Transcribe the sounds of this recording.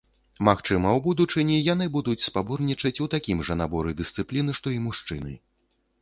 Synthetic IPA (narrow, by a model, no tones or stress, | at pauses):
maxt͡ʂɨmɐwbud̪ut͡ʂɨnʲɛjanɨbud̪ut͡sʲspaburnʲit͡ʂɐt͡sʲut̪akʲimʐɐnabɔɾɨd̪ɨst̪sɨplʲinɨʂt̪ɔimuʂt͡ʂɨnɨ̰